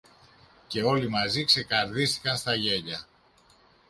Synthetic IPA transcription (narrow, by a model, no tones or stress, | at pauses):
ce̞o̞limɐzikse̞kɐɾðist̪i̥kɐnst̪ɐʝe̞ʎɐ